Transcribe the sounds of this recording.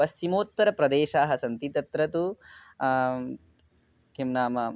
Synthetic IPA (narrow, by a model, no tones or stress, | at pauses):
ɐsːimoːt̪ʋɐɾɐpɾɐd̪eːʃaːɦɐsɐnt̪it̪ɐt̪ɾɐt̪u | kimnaːmɐ